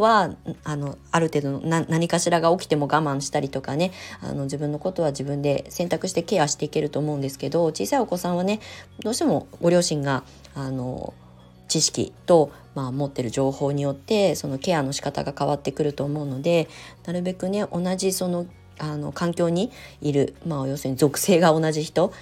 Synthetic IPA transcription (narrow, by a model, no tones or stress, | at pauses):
βaano̞aɾɯ̟t̪e̞ːd̪o̞nonanaɲ̟ikaɕiɾaɡao̞kʲi̥t̪e̞mo̞ɡamãɰ̃ɕi̥t̪aɾʲit̪o̞kane̞a̰no̞d͡ʑibɯ̟̃nːo̞ko̞t̪o̞βad͡ʑibɯ̟̃nd̪e̞sẽnt̪akɯ̟ɕi̥t̪e̞ke̞ːaɕi̥t̪e̞ike̞ɾɯ̟t̪o̞ːmo̞ɯ̃nd̪e̞sɨ̥ke̞d̪o̞t͡ɕḭːsaio̞ko̞sãɰ̃β̞ane̞d̪oːɕi̥t̪e̞mo̞ɡo̞ɾʲo̞ːɕĩŋɡa | ano̞̰ | t͡ɕiɕi̥kʲḭt̪o̞ | maːmo̞t̪ːe̞ɾɯ̟ʑo̞ːho̞ːɲ̟ijo̞t̪ːe̞so̞no̞ke̞ano̞ɕi̥kat̪a̰ɡakaβat̪ːe̞kɯ̟ɾɯ̟t̪o̞ːmo̞ɯ̟no̞d̪e̞naɾɯ̟be̞kɯ̟ne̞ʔo̞naʑiso̞no̞ | ano̞̰kãŋkʲo̞ːɲ̟iiɾɯ̟maojo̞ːsɨɲ̟izo̞kɯ̟̥se̞ːɡao̞naʑiçi̥t̪o̞